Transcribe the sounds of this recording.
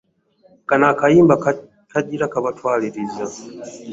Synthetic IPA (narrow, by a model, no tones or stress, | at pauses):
kanakaimba | kaʄiɾakaβatwaliɾiza